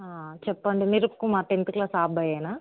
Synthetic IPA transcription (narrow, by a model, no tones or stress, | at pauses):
aːt͡ʃɛpːɐɳɖimiɾupkːumaːt̪end̪uklaːsaːbɐjɐjnaː